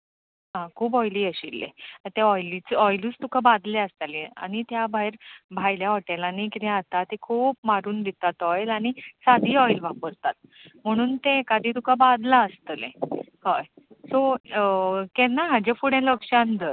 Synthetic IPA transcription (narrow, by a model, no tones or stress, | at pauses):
ɦãkʰuːp̬ɔjliːəɕilːḛt̪eɔjlit͡sɔjluːt͡st̪ukabad̪leəst̪alẽa̰ñit̪jabʱajɾbʱajljaɔʈelanikit̪ɛ̃at̪at̪ekʰuːpmaɾuːnd̪it̪at̪ɔjlañisad̪ʱiːɔjlʋapəɾt̪at̪̚m̤əɽ̃uːnt̪ekad̪ʱiːt̪ukabad̪laəst̪əlḛ̃ | hɔj | so | kɛnaɦad͡ʑefuɽjãləkʂãnd̪əɾ